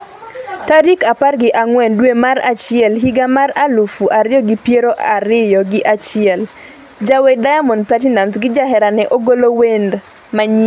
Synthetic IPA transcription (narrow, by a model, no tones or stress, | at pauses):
taɾikaparɡɪʔaŋwɛndwemaɾat͡ʃɪɛlɦiɡamaɾalufuʔaɾɪjɔɡɪpjeɾoʔaɾɪjɔɡɪʔat͡ʃɪɛl | d͡ʒawɛdajamɔnplat̬inansɡɪd͡ʒaɦɛɾanɛʔoɡolowend | maɲi